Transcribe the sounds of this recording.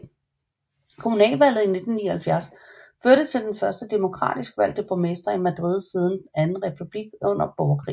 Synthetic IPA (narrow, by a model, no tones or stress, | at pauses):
kʰo̝munɛ̰ːlʋæl̰ð̩ˠine̝d̥n̩nːiɐhælfjæɐsføɐɾ̥ət͡sʰe̝ld̥enfɶɐsd̥əd̥e̝mo̝kʰʁɑ̰̈ːd̥isɡ̥əʋæl̰d̥eb̥ʰʁomesd̥ɐimæd̥ʁið̞̰ˠsiːð̞ˠn̩d̥enænn̩ʁɛpʰub̥liɡ̥̚ɔ̽n̰ɐb̥ɒʊɐkʰʁḭː